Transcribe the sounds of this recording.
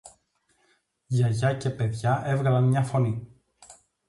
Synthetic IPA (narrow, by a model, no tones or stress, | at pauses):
ʝɐʝɐce̞pe̞ðʝɐʔe̞vɣɐlɐnmɲɐfo̞ni